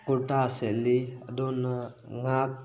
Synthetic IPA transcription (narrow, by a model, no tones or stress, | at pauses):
kuʈaəselːid̪onŋak̚